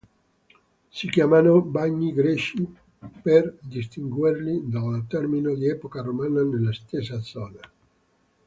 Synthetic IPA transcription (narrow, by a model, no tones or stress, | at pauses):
sikjamanobaɲːiɡɾɛʃi | perd̪is̬t̪iŋɡwirlid̪alt̪ɛrminod̪iɛpokaɾomaːnanelːast̪es̬ːad̪zɔːna